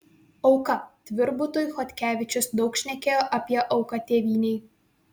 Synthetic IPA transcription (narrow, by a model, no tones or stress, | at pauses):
ɒʊkɐt̪ʲʋʲɪɾbʊt̪ojʊxɔt̪ʲkʲæːʋʲɪt͡ʃʲʊsd̪ɒʊkʃʲnʲɛkʲeːjoʔɐpʲiɛʔɒʊkɐt̪ʲeːʋʲiːnʲɛɪ